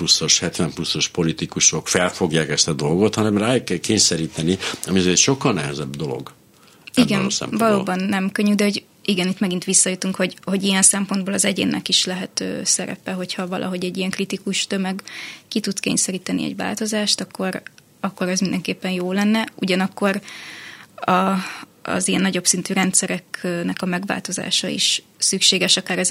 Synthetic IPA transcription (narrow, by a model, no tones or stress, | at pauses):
plusːo̞ʃhɛt̪vɛmplusːo̞ʃpo̞lit̪ikuʃo̞kfɛlfo̞ɡjaːkɛst̪ɒd̪o̞lɡo̞t̪hɒnɛmraːjokːɛlkeːɲsɛɾiːt̪ɛniɒmiɒzeːt̪ʃo̞kːɒlnɛɦɛzɛbd̪o̞lo̰ɡ | iɡɛnsɛ̰mvɒloːbɒnːɛmkøɲːyd̪ɛɦo̞ɟ | iɡɛnit̪mɛɡint̪ʋisːɒjut̪uŋkho̞ɟho̞ɟijɛnsɛmponboːlɒzɛɟḛːnːɛkiʃlɛɦɛt̪ø̰ːsɛɾɛ̰pɛɦo̞chɒvɒlʔɒ̰ɦo̞ɟɛɟːijɛŋkrit̪ikuʃt̪ømɛɡkit̪ut̪skḛːɲsɛɾiːt̪ɛnḭɛ̰ɟʋa̰ːlt̪o̞zaːʃt̪ɒkːo̞ɾ | ɒkːo̞ɾɛzmind̪ɛŋkeːpːɛnjoːlɛnːɛuɟɒnɒkːo̞ɾ | ɒ | ɒ̰zijɛnːɒɟo̞psint̪yɾɛnt̪sɛɾɛknɛkɒmɛɡʋa̰ːlt̪o̞za̰ːʃɒḭʃ | sykʃeːɡɛʃɒkaːɾɛz